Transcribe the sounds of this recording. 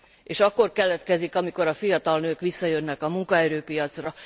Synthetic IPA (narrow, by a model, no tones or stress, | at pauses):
eːʃɒkːo̞rkɛlɛt̪kɛzikɒmiko̞ɾɒfijɒt̪ɒlnøːkʋisːɒjønːɛkɒmuŋkɒɛɾøːpijɒt̪srɒ